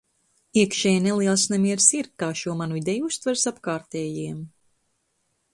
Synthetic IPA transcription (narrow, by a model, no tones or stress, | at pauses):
iɛkʃɛːjnɛlˠiɛlˠsnɛmʲiɛɾsiɾkaːʃuɔmanuid̪ʲɛjust̪vaɾsapkaːɾt̪ɛːjiːɛm